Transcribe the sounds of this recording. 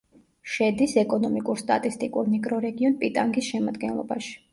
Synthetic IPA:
ʃɛd̪isɛkʼɔnɔmikʼuɾst̪ʼa̰t̪ʼist̪ʼikʼuɾniɡɾɔɾɛɡiɔnpʼit̪ʼaŋɡisʃɛmad̪ɡɛnlˠɔ̰baʃi̥

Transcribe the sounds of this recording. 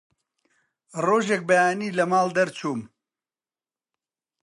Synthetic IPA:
roːʒek̚bɐjaːniːlɐmaːld̪ɐɾt͡ʃʰuːm

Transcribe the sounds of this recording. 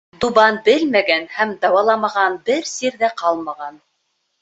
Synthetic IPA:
d̪uβɑnbɘlmæɡænhæmd̪ɑwɑlˠɑmɑʁɑnbɘɾsiɾðæqɑlˠmɑʁɑn

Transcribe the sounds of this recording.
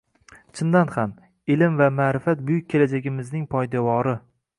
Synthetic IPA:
t͡ʃʰɪnd̪anham | ɪlɪmvamaɾɪfat̪̚bʊjʊk̚ʲʰːelad͡ʒaɡʲɪmɪznɪŋpʰɒjd̪avɒɾɪ

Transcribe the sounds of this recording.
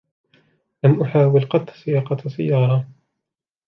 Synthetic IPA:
lamʔʊħaːwɪlqɑt̪ːsɪjɑqɑt̪sɪjːɑːɾˤɑ

